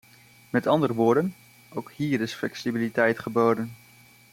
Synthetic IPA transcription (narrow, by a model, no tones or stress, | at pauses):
mɛtɑndərəʋʊːɹdən | owkhiːɾɪsflɛksibilitɛjtχəboːdən